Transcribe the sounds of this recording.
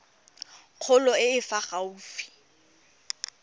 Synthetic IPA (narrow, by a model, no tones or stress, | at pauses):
q͡χʰʊlɔɪɪfaχauːfi̥